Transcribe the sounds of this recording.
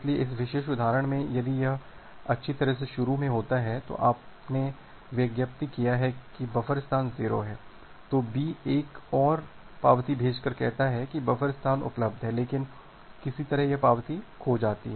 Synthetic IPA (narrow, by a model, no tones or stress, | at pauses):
ɪslieɪs̬ʋɪʃeːʃʊd̪ʱaːɾəɽ̃mẽjɐd̪ijɐɦ | ɐtːʃʰit̪ɐɾəɦs̬eʃʊɾumẽɦoːt̪aɦɛt̪o̰ʔaːpne | ʋjɐɡjəp̚t̪ikijaɦɛkibɐfəɾɪst̪ʰaːnziːɾo̰ɦɛː | t̪oːbieːkɔːɾ | paːʋt̪ibʱeːd͡ʒkɐɾkɛɦt̪aɦɛkibɐfəɾɪst̪ʰaːnʊ̰pləb̚d̪ʱɦɛleːkɪn | kɪsit̪ɐɾəɦjɐpaːʋt̪ikʰod͡ʒaːt̪ḭɦɛː